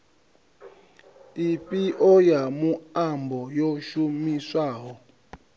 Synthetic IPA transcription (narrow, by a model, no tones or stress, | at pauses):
ipʼiʔɔjamuambʱɔjoʃumiswaːɦɔ